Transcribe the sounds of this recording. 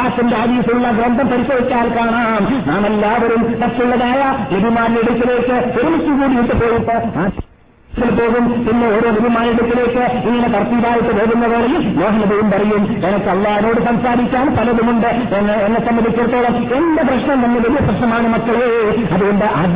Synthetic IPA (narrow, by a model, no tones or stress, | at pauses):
aːt̪ːindehɐd̪iːsiuɭːɐɡɾɐnd̪ʱɐmpɐɾit͡ɕːɐːit͡ɕːaːlkaːɳaːmnaːmelːaːʋɐɾumt̪ɐst̪ːuɭːɐðaːjɐniɾumaːniliɽut̪ːileːkːɨt̪iɾumikʲːuʋuːɽijiʈ̪ːɨpo̞ːjipːɐaː | ilpo̞ːɣumpinːeoɾuniɾumaːniɽut̪ːile̞ːkːɨiŋːɐnek̪ɐrt̪iːʋaːjiʈ̪ːɨʋeːɣunːɐʋeːɭɐlnoːɦɐnɐðɐjumpɐrɐjum | enɐkːɨɐlːaːhino̞ːɽɨsɐmsaːɾikʲːaːnp̪ɐlɐðumuɳɖɨ | enː | enːesɐmːɐðikʲːɐɾt̪ːoːɭɐm | endɐprɐʂɳɐmnɐnːiʋelijɐʂprɐʂɳɐmaːɳɨmɐkːɐɭe | ɐðuɣuɳɖeʔɐd̪